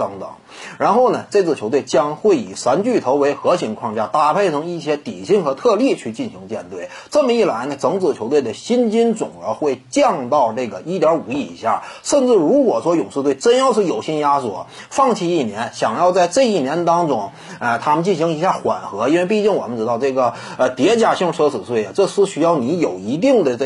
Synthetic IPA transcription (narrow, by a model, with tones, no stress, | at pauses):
t̪ɤ˧˥ŋt̪ɤ̰˨˩˦ŋ | ɻa˧˥nxo˥˩ʊnə˩ʈ͡ʂɤ˥˧t͡sɹ̩˥˩t͡ɕʰo˧˥ʊt̪we˥˩ɪt͡ɕjɑ˥ŋxwe˥˩ɪi˨˩ʂa˧˥nt͡ɕy˥˩t̪ʰo˧˥ʊwe˧˥ɪxɤ˧˥ɕʰi˧˥ŋkʰwɑ˥˩ŋt͡ɕja˥t̪a˥˩pʰe˥˩ɪt͡sʰɤ˧˥ŋi˥˩ɕjɛ˥t̪ḭ˨˩ɕi˥˩ŋxɤ˧˥t̪ʰɤ˥˧lji˥˧t͡ɕʰy˥˧t͡ɕi˥˩nɕi˧˥ŋt͡ɕjɛ̰˥˧nt̪we˥˩ɪ | ʈ͡ʂɤ˥˩mə˩i˥˩la˧˥ɪnə˧ʈ͡ʂɤ˧˥ŋt͡sɹ̩˨˩t͡ɕʰo˧˥we˥˩ɪd̪ə˩ɕi˥nt͡ɕi˥nt͡sʊ̰˨˩ŋə˞˧˥xwe˥˧ɪt͡ɕjɑ˥˧ŋt̪ɑ˥˧ʊʈ͡ʂɤ˥˩ɡə˩i˥˩t̪jɑ˞˧˥u˨˩i˥˩ḭ˧˥ɕja̰˥˩ʂə˥˧nʈ͡ʂɻ̩˥˩ɻu˧˥kwɔ˨˩ʂwɔ˥jʊ˨˩ŋʂɻ̩˥˧t̪we˥˩ɪʈ͡ʂə˥njɑ˥˧ʊʂɻ̩˥˩jo˨˩ʊɕi˥nja˥swɔ̰˨˩ | fɑ˥˧ŋt͡ɕʰi˥˧i˥˩njɛ˧˥nɕjɑ˨˩ŋjɑ˥˧ʊt͡sa˥˧ɪʈ͡ʂɤ˥˧i˥˩njɛ˧˥nə˧t̪ɑ˥ŋʈ͡ʂʊ˥ŋ | ə˧˩t̪ʰa˥mə˨˧nt͡ɕi˥˩nɕi˧˥ŋi˧˥ɕja˥˩xwa̰˨˩nxɤ˧˥i˥nwe˥˧ɪpi˥˧t͡ɕi˥˩ŋwɔ̰˨˩mə˦nʈ͡ʂɻ̩˧˥t̪ɑ˥˧ʊʈ͡ʂɤ˥˩ɡə˩ | ə˧t̪jɛ˧˥t͡ɕja˨˩ɕi˥˩ŋʈ͡ʂʰɤ˥t͡sʰɹ̩˨˩swe˥˩ɪə˩ʈ͡ʂɤ˥˧ʂɻ̩˥˧ɕy˧˥jɑ˥˩ʊni˧˥jo˨˩ʊi˧˥t̪̬i˥˩ŋd̪ə˩˧